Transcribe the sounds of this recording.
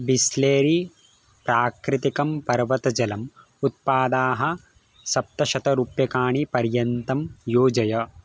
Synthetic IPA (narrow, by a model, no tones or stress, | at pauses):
bisleːɾi | pɾaːkɾɪt̪ikɐmpɐɾʋɐt̪ɐd͡ʒɐlɐm | ut̪̚paːd̪aːɦɐ̆ | sɐp̚t̪ɐʃɐt̪ɐɾupjɐkaːɳipɐɾjɐnt̪ɐmjoːd͡ʒɐjɐ